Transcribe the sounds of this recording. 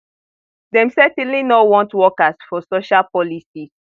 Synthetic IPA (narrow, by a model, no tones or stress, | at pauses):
dɛ̃msɛtɛ̃nlinɔwɔ̃ntwɔkasfɔsoʃalpɔlisi